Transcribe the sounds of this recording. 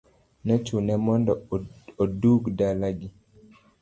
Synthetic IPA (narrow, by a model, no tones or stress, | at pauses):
nɛt͡ʃunɛmɔndɔoduɡdalaɡi